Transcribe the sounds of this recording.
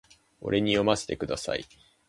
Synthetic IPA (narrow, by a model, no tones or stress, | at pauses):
o̞̰ɾʔe̞ɲ̟ijo̞mase̥t̪e̞kɯ̟d̪asa̰i